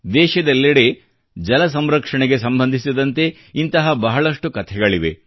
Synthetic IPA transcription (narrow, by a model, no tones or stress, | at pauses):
d̪ɛːʃɐd̪ɐlːɐɽe | d͡ʒɐlɐs̬ɐmɾɐkʂɐɳeɡe̞sɐmbɐnd̪ʱisid̪ɐnt̪e̞ | int̪ɐɦɐbɐɦɐɭɐʂʈukɐt̪ʰɛɡɐɭiʋe̞̰